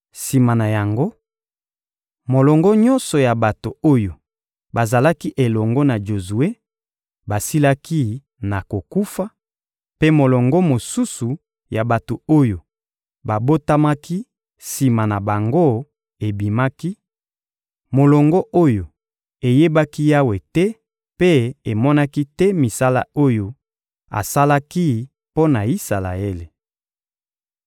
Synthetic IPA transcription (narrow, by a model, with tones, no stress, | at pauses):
si˨ma˨na˨ja˨ŋɡo˦ | mo˨lɔ˨ŋɡɔ˦ɲɔ̃˦nsɔ˨ja˨ba˨to˨o˦jo˨ | ba˨za˨la˦ki˦ʔe˨lɔ˨ŋɡɔ˦na˨ʒo˨zu˨e˦ | ba˨si˦la˦ki˦ | na˨ko˨ku˦fa˦ | pe˦mo˨lɔ˨ŋɡɔ˦mo˨su˦su˨ | ja˨ba˨to˨o˦jo˨ | ba˨bo˦ta˦ma˦ki˦ | si˨ma˨na˨ba˨ŋɡo˦˨ | e˨bi˨ma˦ki˦ | mo˨lɔ˨ŋɡɔ˦ʔo˦jo˨ | e˨je˦ba˦ki˦ja˦we˨tɛ˦ | pe˦e˨mɔ˦na˦ki˦tɛ˦mi˨sa˦la̰˦o˦jo˨ | a̰˨sa˦la˦ki˦ | po˦na˨i˦sa˨la̰˨e˦le˨